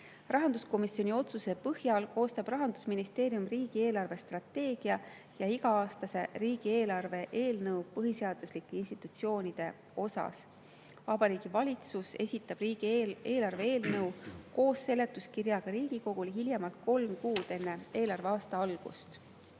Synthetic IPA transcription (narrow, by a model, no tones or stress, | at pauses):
rɑɦɑnd̪usko̞misio̞nio̞t̪suse̞pɤhjɑlko̞ːst̪ɑb̥rɑɦɑnd̪̥usminist̪e̞ːɾiumriːɡ̥ie̞ːlɑrve̞st̪rɑt̪ːe̞ːɡ̥iɑ | jɑiɡ̥ɑɑːst̪ɑse̞riːɡ̥ie̞ːlɑrve̞ʔe̞ːlnɤwpɤɦise̞ɑd̪̥uslikːˑeinst̪it̪ːˑut̪sio̞ːnʲid̪̥e̞ | o̞sɑ̰s | vɑbɑɾiːɡ̥ivɑlʲit̪suse̞̰sʲit̪ːˑɑb̥riːɡ̥ie̞ːlɑrve̞eːlnɤwko̞ːsːe̞le̞t̪ːˑuskirjɑɡ̥ɑɾiːɡ̥iko̞ɡ̥ulɦiljɑmɑlt̪̚ko̞lmkuːd̪̥e̞nːe̞e̞ːlɑrve̞ɑːst̪ɑɑlɡ̥ṵst̪